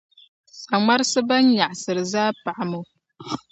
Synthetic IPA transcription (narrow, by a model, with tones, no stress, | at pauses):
sa˨ma˦ɾsɨ˦ba˦nja˨ʔsɨ˨ɾɨ˨zaː˦pa˨ʔa˨mɨ˨w